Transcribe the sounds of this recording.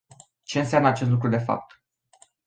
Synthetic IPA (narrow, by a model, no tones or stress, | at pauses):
t͡ʃe̞ɨns̬eamnəat͡ʃest̪lukɾud̪e̞fa̰p̚t̪